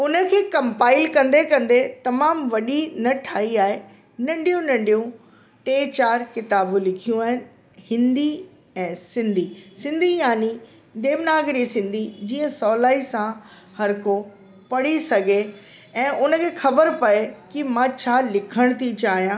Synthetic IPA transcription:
ʊnə̆kʰeːkɐ̃mpaːɪlkɐ̃nd̪ekɐ̃nd̪et̪ɐmaːmʋɐɗinɐʈʰaːɦiaːɦe | nɐ̃ɳɖʱijũnɐ̃ɳɖʱijũ | ʈeːt͡ɕaːɾkɪt̪aːbulɪkʰijũaːɦɪnɪ̆ | hɪ̃nd̪i | ɛ̃ːsɪ̃nd̪ʱisɪ̃nd̪ʱijaːni | d̪eːʋnaːɡɾisɪ̃nd̪ʱid͡ʑiːə̃sɔːlaːisã | hɐɾko | pɐɽ̤isɐɡʱe | ɛ̃ːʔʊnə̆kʰeːxɐbəɾpɐekɪmãt͡ɕʰaːlɪkʰəɽ̃t̪ʰit͡ɕaːɦijãː

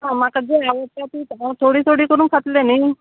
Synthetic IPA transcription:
ɦãmakəd͡zeaʋət̪at̪iːt̪ãt̪ʰoɽiːt̪ʰoɽiːkəɾuːnkʰat̪lenəj

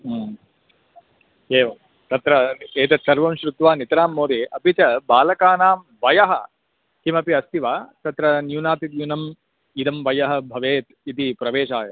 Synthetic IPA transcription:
eːʋɐ | t̪ɐt̪ɾɐeːt̪ɐsɐɾʋɐmʃɾut̪ʋaːnit̪ɾaːmːoːɾiɐpit͡ʃɐbaːlɐkaːnaːm | ʋɐjɐɦɐ̆ | kimɐpiɐst̪iʋaːt̪ɐt̪ɾɐnjuːnaːt̪it̪junɐm | id̪ɐmʋɐjɐɦɐ̆bʱɐʋeːt̪it̪ipɾɐʋeːʃaːjɐ

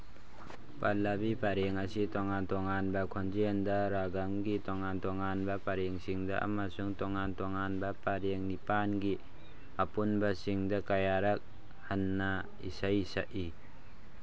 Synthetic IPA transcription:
palːabipaɾeŋɐsitoŋantoŋanbɐkʰond͡ʒendɐɾaɡaŋɡitoŋantoŋanbɐpaɾeŋsiŋdɐ̰ʔɐ̰mɐsuŋtoŋantoŋanbɐpaɾeŋnipanɡi | ɐpunbɐsiŋdɐkajaɾɐk̚ | hɐnːɐ | ḭsajsaʔi

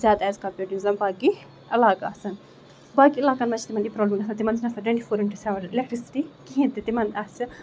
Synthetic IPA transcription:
zʲjaːd̪ɛːzkɐpuʈinzɐmbaːɡi | ɐlaːkaɐsɐn | baːkiɐlaːkanmɐt͡ʃʰit̪imɐnipɾɔːblimɡɐsɐnt̪imɐnzinɐsɐʈɐ̃ɳʈifʰoːɾiɳʈusɐʋɐɳilekʈɾisi̥ʈikiɦĩnt̪it̪imɐnasɨ

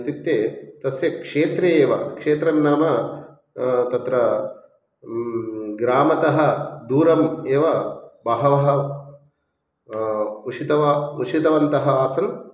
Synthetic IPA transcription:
t̪juk̚t̪eːt̪ɐsjɐkʂeːt̪ɾeːʋɐkʂeːt̪ɾɐnːaːmɐ | t̪ɐt̪ɾɐ | ɡɾaːmɐt̪ɐɦɐd̪uːɾɐmeːʋɐbɐɦɐʋɐɦɐ̆ | uʂʰit̪ɐʋɐut͡ʃʰit̪ɐʋɐnt̪ɐɦɐaːsɐn

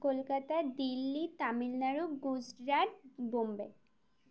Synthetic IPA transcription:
kolkat̪ad̪ilːit̪amilnaɾuɡusɾaʈ̚bombe

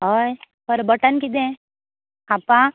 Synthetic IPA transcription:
ɦoj | pəɾbəʈənkid̪ẽ | apːã

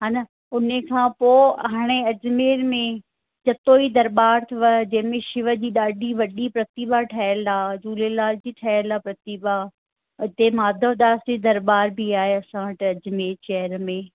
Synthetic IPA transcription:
ɦaːnɐ | ʊnəkʰãːpoːɦaːɽ̃eɐd͡ʑmeːɾmẽ | d͡ʑɐt̪oːid̪ɐɾbaːɾt̪ʰɐʋɐd͡ʑɐ̃ɦɪ̃mẽʃɪʋə̆d͡ʑiːɗaːɖiʋɐɗipɾɐt̪ibaʈʰaːəlaːd͡ʑuːlelaːld͡ʑiːʈʰaːəlapɾɐt̪iba | ɪt̪emaːd̪ʱəʋd̪aːsd͡ʑiːd̪ɐɾbaːɾbʱiaːɦeɐsãʋɐʈɐd͡ʑmeːɾt͡ɕɛɦəɾmẽ

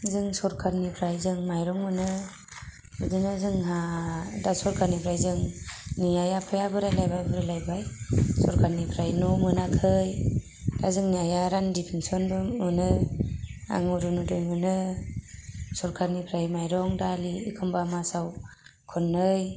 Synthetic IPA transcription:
zɯŋsɔɾkʰaɾnipʰɾajzɯŋmajɾɔŋmɯnɯ | ɯdɯnɯzɯŋɦadasɔɾkʰaɾnipʰɾajzɯŋnijajapʰɯjabɯɾalajbajbɯɾajlajbajsɔɾkʰaɾnipʰɾajnɔmɯnakʰɯj | d̥azɯŋniajaɾandipʰinsɔnbɯɯnɯ | a̰ŋuɾunudɯjmɯnɯ | sɔɾkʰaɾnipʰɾajmajɾɔŋdaliːkʰɯmbamasaw | kʰɔnːɯj

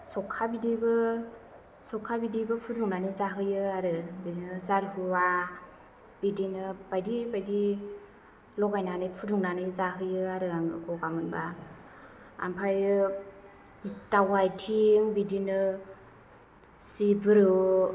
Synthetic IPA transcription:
sɔkʰːabidibɯ | sɔkʰabidibɯpʰuduŋnanizaɦɯjɯaɾɯbidinɯzaɾhua | b̥idinɯb̥ajdibajdi | lɔɡajnanɯpʰuduŋnanizaɦɯjɯaɾɯaŋɯɡɔɡamɯnba | a̰mpʰajɾɯ | tawajtʰiŋbidinɯ | sibɯɾɯ

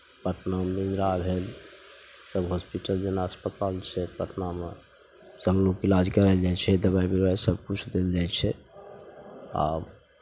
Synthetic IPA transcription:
pəʈnaminɾabʱel | səbɦospiʈəld͡ʒenaəspət̪alt͡ʃʰɛpəʈname | sə̃ŋɡlokilad͡ʒkəɾɛld͡ʒat͡ʃʰɛd̪əβaibiɾajsəb̚kut͡ʃʰd̪eld͡ʒajt͡ʃʰɛ | a̰b

